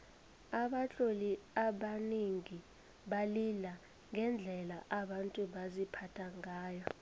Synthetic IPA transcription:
aɓat͡ɬʼoliaɓaniŋi | ɓalila | ŋʱɛnd͡ɮʱɛlaʔaɓantʼuɓazipʰatʰaŋaːjɔ

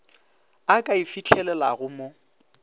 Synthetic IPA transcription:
akʼaifit͡ɬʰɛlɛlaɣʊmo

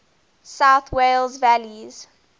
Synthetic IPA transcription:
saʊθwelzvæliz̥

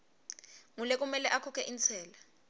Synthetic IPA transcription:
ŋulɛk̬ʼumɛlɛʔakʰɔkʰɛʔint͡sʰɛːla

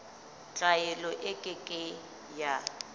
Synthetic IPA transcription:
t͡ɬʼajɛlɔʔɪkʼɪkʼɪ | ja

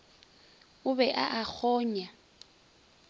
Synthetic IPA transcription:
ʊβɛʔa̰ʔak͡xʰɔːɲa

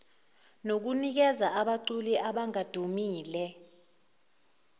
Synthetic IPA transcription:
nok̬unik̬ɛzaaɓaǀuliʔaɓaŋad̥ʱumiːlɛ

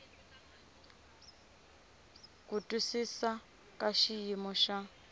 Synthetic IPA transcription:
kutʼusisa | kaʃijimɔʃa

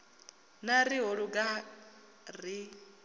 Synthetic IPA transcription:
naɾiɦoɺuɡa | ri

